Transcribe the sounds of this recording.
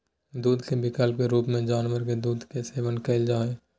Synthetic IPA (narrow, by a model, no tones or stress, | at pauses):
d̪uːd̪kebɪkəlp̚keɾuːpmẽd͡ʒaːnʋəɾked̪uːd̪keseːʋənkeɪld͡ʒaːeː